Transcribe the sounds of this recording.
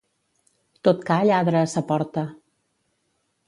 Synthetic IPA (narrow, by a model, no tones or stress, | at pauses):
t̪ot̪kaʎaðɾəːsəpɔɾt̪ə